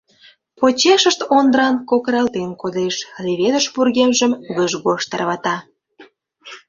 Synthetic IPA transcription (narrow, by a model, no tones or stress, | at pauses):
pot͡ɕeʃəʃt̪ond̪əɾɑnkokəɾɑlt̪enkod̪eʃleβed̪əʃpurɣemʒəmβəʒɣoʃt̪ərβɑt̪ɑ